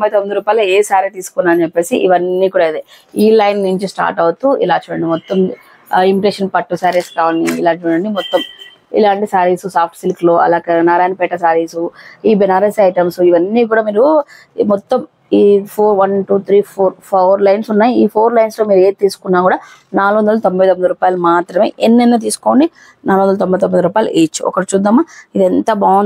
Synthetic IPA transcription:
t̪mbɐjt̪omːid̪uɾuːpaːjlɐeːsaːɾet̪iːsu̥kunːaːɐnt͡ʃepːe̞ːsḭʔiʋɐnːiːkuːɽad̪eː | iːlɐjnnuɲt͡ʃisʈa̰ːɾʈɐwut̪uḭlaːt͡ʃuːɽɐ̰ɳɖimɔt̪ːɐm | imiʈeːʂɐnpɐʈːusaːɾeskaːʋɐɳɖilaːt͡ʃuːɽɐɳɖimɔt̪ːɐm | ḭlaːɳʈisaːɾiːsusaːp̚ʰʈsilkloːʔɐ̰laːkɐnaːɾaːjnpɛʈɐsaːɾiːsuiːbɛnaːɾesɐjʈɐmsuiʋɐnːiːk̬uːɽaːmiːɾu | mɔt̪ːɐm | iːpʰoːɾʋɐnʈuːt̪ʰɾiːpʰoːɾpʰoːɾlɐjnsunːaːjiiːpʰoːɾlɐjnsloːmiːɾeːt̪iːsu̥kunːaːkuːɽaː | naːluʋɐnd̪ɐlɐt̪ombɐjt̪omːid̪ɾuːpaːjɐlɐmaːt̪ɾɐme̞ːʔenːenːɐt̪̬iːsu̥ko̞ːɳɖi | naːluʋɐnd̪ɐlɐt̪ombɐjt̪ombɐjd̪ɐɾuːpaːjɐlṵʔeːt͡ʃːuɔ̰kɐɽit͡ʃuːd̪ɐmːaid̪ent̪ɐbaːn

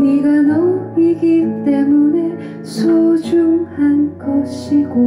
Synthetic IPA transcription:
iɡanʌmiɡit͈e̞mune̞ | sʰod͡ʑuŋhanɡʌɕʰiɡo

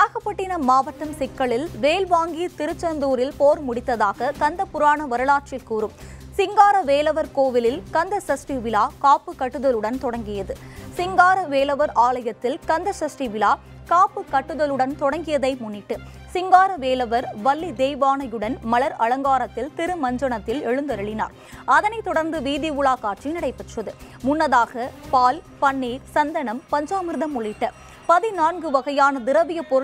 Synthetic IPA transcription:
ɐɣɐpːɐʈːɪnɐmaːʋɐʈːɐmsɪkːɐɭɪlʋeːlʋaːŋɡit̪ɪɾɯt͡ʃːɐnd̪uːɾɪlpoːɾmʊɽɪt̪ːɐðaːɣɐkɐnd̪ɐpʊɾaːɳɐʋɐɾɯɭaːʈ̚t͡ʃɪlkuːɾɯm | sɪŋɡaːɾɐʋeːlɐʋɐɾkoːʋɪlɪlkɐnd̪ɐsɐsʈiʋɪlaːkaːpːɯkɐʈːɯðɐlɯɽɐnt̪ɔɽɐŋɡɪjɐðɯsɪŋɡaːɾɐʋeːlɐʋɐɾʔaːlɐjɐt̪ːɪlkɐnd̪ɐsɐsʈiʋɪlaː | kaːpːɯkɐʈːɯðɐlɯɽɐnt̪ɔɽɐŋɡɪjɐðɐɪmʊnːɪʈːɯ | sɪŋɡaːɾɐʋeːlɐʋɐɾʋɐɭːid̪eːjʋaːnɐjɯɽɐnmɐɭɐɾɐɻɐŋɡaːɾɐt̪ːɪlt̪ɪɾɯmɐɲd͡ʒɐɳɐt̪ːɪlɛɻɯnd̪ɐɾɐɭɪna̰ːɾ | ɐðɐnɐɪt̪ːɔɽɐɾnd̪ɯʋiːðiʋʊɭaːkaːʈt͡ʃinɐɽɐɪpɐʈrɐðɯmʊnːɐðaːɣɐpaːlpɐɳːiːɾsɐnd̪ɐɳɐmpɐɲd͡ʒaːmɯɾɯðɐmʊɭɪʈːɐ | pɐðinaːnɡɯʋɐɣɐjaːnɐd̪ɪɾɐʋɪjɐpɔɾɯ

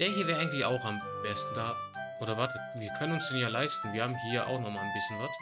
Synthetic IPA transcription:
d̥eːɐhiːɐvɛːʔaɪŋ̩tlɪça̰ʊxam | b̥ɛstn̩d̥aː | ʔoːɾɐvat | viːɐkʰœnənʊnsd̥eːnjaːlaɪstn̩viːɐhaːbm̩hiːɐʔa̰ʊxnɔχmaːlənbɪsçənvat

